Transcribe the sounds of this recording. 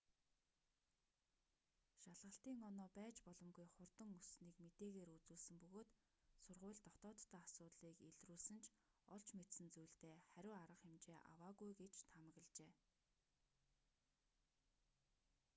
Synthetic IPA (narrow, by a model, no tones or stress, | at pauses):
ʃaɮʁə̆ɬt̪iːŋɔnɔːpæːt͡ɕpɔɮɞ̆mɡujχʊrt̪ə̆ŋusniːkmet̪eːɣeːɾut͡suːɮsɘ̆mpɵɣoːt̪ | sʊrʁʊːɮt̪ɔt̪ɔːt̪ʰːaːasʊːt̪ɮiːkeɮruːɮsɘ̆nt͡ɕʰ | ɔɮt͡ɕmet̪sɘ̆nt͡sujɮt̪eːχæɾʲʊːaɾə̆χxemt͡ɕeːʔa̰waːɣujɡet͡ɕt̪ʰamə̆ɣə̆ɮt͡ɕeː